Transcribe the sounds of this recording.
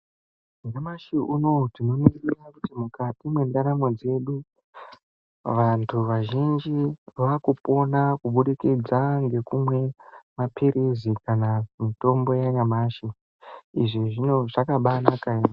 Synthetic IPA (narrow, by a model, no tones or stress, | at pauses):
ŋamaʃiuno̞tino̞mirirakutimukatimwendaɾamod͡ze̞ɗu | ʋantʰuʋaʒind͡ʒiʋakupo̞nakuɓuɗikid͡zaŋɡe̞kumwe̞mapʰiɾʔizikanamito̞mbo̞jaɲamaːʃi | iʐiʐino̞ʐakaɓanakai